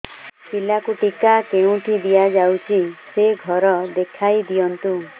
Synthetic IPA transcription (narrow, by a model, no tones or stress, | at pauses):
silakuʈikakeũʈʰid̪ijad͡ʒawt͡ʃʰiseɡʱɔɾɔd̪ekʰajd̪ijɔnt̪u